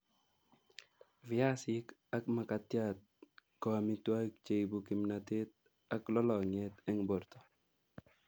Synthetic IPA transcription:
vja˦sɪka˦kma˨ka˨t̪ja˦t̪̚kɔ˨mi˦t̪wa˦k̚t͡ʃe˨jbu˨ki˨mnat̪e˦t̪̚ | a˦klɔ˦lɔ˨ɲɛ˦t̪ɛ˦ŋbɔ˨ɾt̪ɔ̥˨

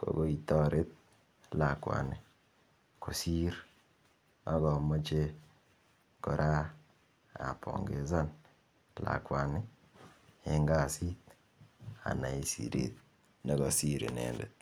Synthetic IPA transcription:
ko̰˨ɡo˦i˨tɔ˦ɾe˦t̪̚ | la˨kwa̰˨nɪ˨ | ko˨si˦ɾ | ɔ˦ɡɔ˨mɔ˦t͡ʃe˦ | kɔ˨ɾʔa˦ | a̰˨pʰɔ̰˨ŋɡe˨za˦n | la̰˨kwa˨nɪ˦ | ɪ˦ŋɡa˦˨si˦t̪ | a̰˨na˨i˨sḭ˨ɾḭt̪̚ | nɔ˨ɡɔ˨si˦ɾe˨nɛ̰˨ndɛ˨t̪̚

